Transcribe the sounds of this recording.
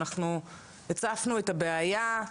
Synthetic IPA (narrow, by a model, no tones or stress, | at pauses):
aχnu | jet͡safnuetabeaja